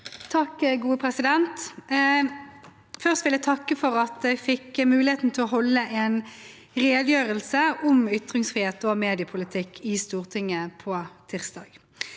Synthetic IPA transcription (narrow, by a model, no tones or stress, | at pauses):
t̪ʰɑkːəɡuːəpʰʁɛsɪd̪ɛnt̪ | fœʁst̪ʋɪlæt̪ʰɑkːəfɔʁɑt̪̚d̪ɛɪfɪkːəmʉːlɪheːt̪n̩t̪ʰɪlɔɦɔlːəʔɛːn | ʁeːd̪jøːʁəlsəʊmʏt̪ʁɪŋsfʁɪːheːt̪ɔmeːd̪ɪəpʰʊlɪt̪ʰɪkʰːɪst̪uːʁt̪ʰɪŋːəpʰɔːt̪ʰɪʁsd̪ɑːɡ̥